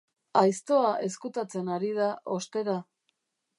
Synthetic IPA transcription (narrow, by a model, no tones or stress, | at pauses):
ajst̪o̞aʔe̞skut̪at͡se̞naɾið̞aʔo̞st̪e̞ɾa